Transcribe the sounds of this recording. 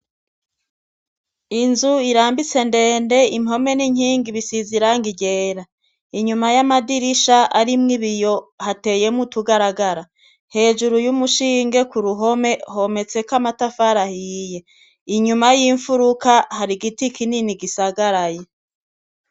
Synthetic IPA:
inzuiɾaːmbit͡se̞nde̞ːnde̞imho̞me̞niɲiːŋɡiβisiziɾaŋɡiɟe̞ːɾa | iɲumajamadiɾiʃaaɾimŋiβijo̞hate̞je̞mutuɡaɾaɡaɾa | he̞ːʒuɾujumuʃiːŋɡe̞kuɾuɦo̞me̞ho̞me̞t͡se̞kamatafaɾahije̞ | iɲumajiːɱfuɾukahaɾiɡitikʰininiɡisaɡaɾaje

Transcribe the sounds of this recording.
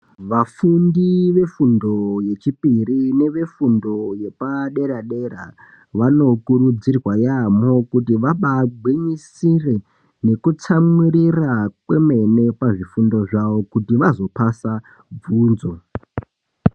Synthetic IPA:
ʋafundiʋe̞fundo̞je̞t͡ʃipirine̞ʋe̞fundo̞je̞paɗe̞ɾaɗe̞ɾa̰ | ʋano̞kurud͡zirwajamo̞kutiʋaɓaɡʱwiɲisire̞ | ne̞kut͡samurirakwe̞me̞ne̞paʐifundo̞ʐaʋo̞kutiʋazo̞pasa | b͡vuːnzo̞

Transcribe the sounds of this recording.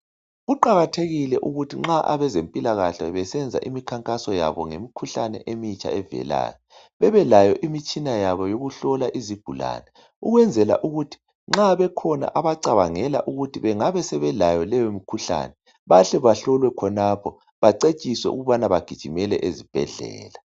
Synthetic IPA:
ɣuǃaɣatʰeɣilɛʔuɣutʰiŋ͡ǁaʔaβɛzempʼilaɣaɬaβɛsɛnd͡zʱa̰ʔimikʰaŋkʼasɔja̰βɔ̰ŋemikʰuɬanɛ̰ʔemit͡ʃʼʰa̰ɛvɛ̰la̰ːjɔ | βɛβɛlajɔʔimit͡ʃʼinajaβɔjoɣuɬɔlaʔiziɡ̥ʱula̰ːnɛ | uɣwɛnd͡zʱɛla̰ʔuɣutʰi̥ | ŋ͡ǁaβɛkʰɔna̰ʔaβaǀaβaŋɛla̰ʔuɣutʰiβɛŋaβɛsɛβɛlajɔlɛjomikʰuɬa̰nɛ | βaɬɛβaɬɔlwɛkʰɔnapʰɔ | βaǀet͡ʃʼiswɛ̰ʔṵɣuβanaβaɡ̥ʱid̥ʒ̥ʱimɛlɛ̰ʔezib̥ʱɛ̰ɮɛ̰ːla

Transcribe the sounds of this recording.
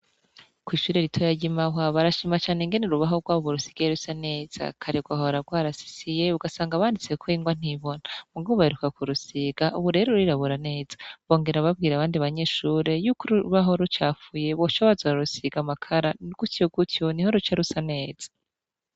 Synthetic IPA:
kwiːʃuːɾe̞ɾitʰojaɟimaɦaβaɾaʃimat͡ʃaːneŋɡe̞neɾuβaɦoɡwaːβoβuɾusi̥ɡejeɾusane̞ːz̥a̰kʰaɾeɡwaɦoɾaɡwaːɾasi̥sijeuɡasaːŋɡaβaːndit͡sekʰoiːŋɡwan̥iβo̞namuɡaβoβaheɾukakuɾusiɡ̥aʔuβuɾe̞ɾouiɾaβuɾane̞ːz̥ḁβo̞ːŋɡe̞ɾaβab̚ɡiːɾaβaːndiβaɲe̞ːʃuːɾe̞jukuɾuβaɦo̞ɾut͡ʃaːfuje̞βo̞ʃoβazaɾaɾusiɡamakʰaɾaɡ̥utjoɡutjo̞niho̞ɾut͡ʃaɾusane̞ːz̥ḁ

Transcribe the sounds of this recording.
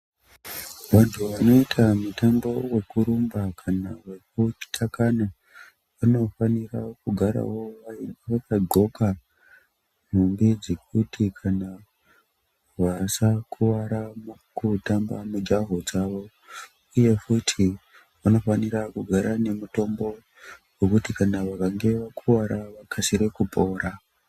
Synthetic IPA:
ʋantʰuʋano̞itʰamutambo̞we̞kuɾumbakʰanaʋak̚ut͡ʃi̥tʰakana | ʋano̞fanira̰kuɡʱaɾa̰wo̞ʋaiʋakaɡʱo̞ka | m̤umbed͡ze̞k̚utʰikʰana | ʋasakʰuʋaɾamkutamba̰mud͡ʒaɦod͡zaʋo̞ | uje̞futʰi | ʋuno̞fanirakuɡʱaɾane̞muto̞mbo̞ | wokutikanaʋakaŋɡe̞ʋakʰuʋaɾaʋakʰasiɾekupo̞ːɾa

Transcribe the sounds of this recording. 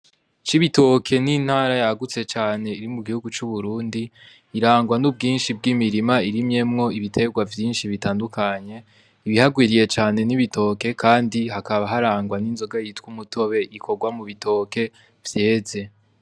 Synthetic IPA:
t͡ʃiβito̞kʰe̞nin̥haːɾajaɡut͡se̞t͡ʃaːne̞iɾimuɡihuɡut͡ʃuβuɾuːndiː | ɾaːŋɡwanub̚ɡiːnʃib̚ɡimiɾimaiɾimɲe̞mŋo̞iβitʰe̞ɡwavjiːnʃiβitaːndukʰaɲe̞ | iβihaɡwiːɾije̞t͡ʃaːne̞niβitʰo̞ke̞kʰaːndiɦakaβaɦaɾaːŋɡwaninzo̞ɡajitwumuto̞βe̞ʔikʰo̞ɡwamuβito̞ːke̞ | vje̞ːze̞

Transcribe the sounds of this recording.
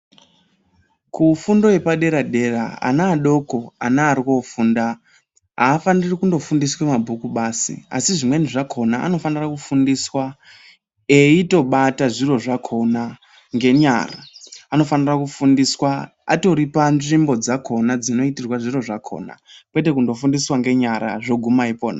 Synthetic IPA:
kufundo̞e̞paɗe̞ɾaɗe̞ra̰a̰naːɗoko̞a̰naːɾikofuːnda | ɦaːfandirikundo̞fundiswemabʱukuɓaːsḭa̰siʐimweniʐakʰo̞naa̰no̞fanirakufundiswa | eito̞ɓataʐiro̞ʐakʰo̞na | ŋɡe̞ɲa̰ra̰ano̞fanirakufundiswa | a̰to̞ɾipanʐimbo̞d͡zakʰo̞nad͡zino̞itirwaʐiro̞ʐakʰo̞̰ːna̰kwete̞kundo̞fundiswaŋɡe̞ɲaɾa̰ʐoɡʱumaipoːna̰

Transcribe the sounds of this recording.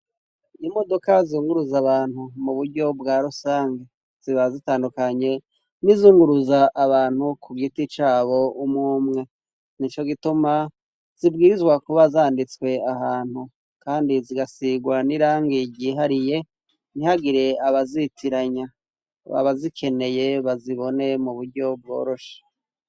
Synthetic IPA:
imo̞do̞kazuːŋɡuɾuzaβaːn̥humuβuɾɟo̞bɡaːɾusaːŋɡe | z̥iβazitaːndukaɲe̞ | nizuːŋɡuɾuzaʔːβaːn̥hukʰuɡitit͡ʃaːβo̞umŋuːmŋe̞ | nit͡ʃo̞ɡituma | z̥ib̚ɡiːɾizɡwakuβazaːndit͡swe̞aɦaːn̥hu | kaːndiziɡasiɡwaniɾaːŋɡiɟiːɦaɾije̞ | n̥ihaɡiɾe̞aβazitʰiɾaɲa | βa̰βazikʰe̞ne̞je̞βaziβo̞ne̞muβuɾɟo̞b̚ɡo̞̰ːɾo̞ʃḁ

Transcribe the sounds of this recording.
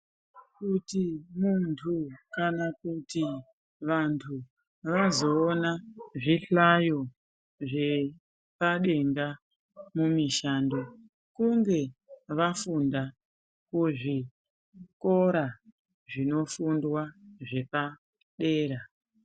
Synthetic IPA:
kutimuntʰukanakuti | ʋantʰu | ʋazo̞ːnaʐiɬajo̞ | ʐe̞ | paɗe̞ŋɡa | mumiʃaːndo̞ | kuŋɡe̞ʋafunda | kuʐi | ko̞ɾa | ʐino̞fundwaʐe̞pa | ɗe̞ːɾa

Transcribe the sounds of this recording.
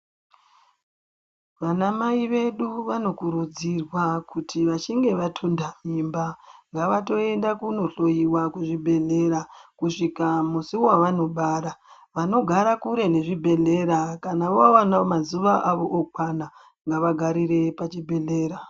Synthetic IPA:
ʋanamaiʋe̞ɗuʋano̞kuɾud͡zirwakutʰiʋat͡ʃiŋɡe̞ʋatʰundamimbaŋɡaʋato̞e̞ndakuno̞ɬo̞jiwakuʐibʱe̞ɮe̞ɾakuʂikamusiwaʋano̞ɓaːɾa | ʋano̞ɡʱaɾakuɾe̞ne̞ʐibʱe̞ɮe̞ɾakanaʋoawanamazuʋaʔaʋo̞ʔok̚wana | ŋɡaʋaɡʱaɾiɾe̞pat͡ʃibʱe̞ɮe̞ːɾa

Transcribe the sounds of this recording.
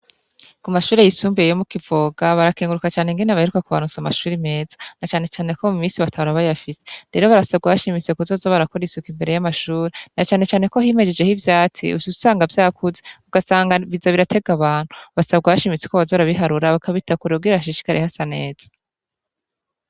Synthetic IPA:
kumaʃuːɾejisuːmbiejomukivo̞ːɡaβaɾakeːŋɡuɾukat͡ʃaːneŋɡeneβahe̞ɾukakuβa̰nut͡samaʃuːɾime̞ːzḁnat͡ʃaːne̞t͡ʃaːne̞komumiːnsiβatʰahuɾaβajafise̞̥ɾe̞ɾo̞βaɾasabɡaβaʃimit͡se̞kuzo̞zaβaɾakoɾisukimbe̞ɾe̞jamaʃuːɾenat͡ʃaːne̞t͡ʃaːne̞ko̞ɦime̞d͡ʒe̞d͡ʒe̞hivjaːt͡sḭṵzuzu̥saːŋɡavjaːkʰuzeuɡasaːŋɡaβizaβiɾatʰe̞ɡaβaːn̥huβasabɡaβaʃimit͡se̞koβazo̞ɾaβiɦaɾuɾaβakaβitakuɾeubɡiɾaβaʃ̬iʃi̥kaɾʔehasane̞ːz̥ḁ

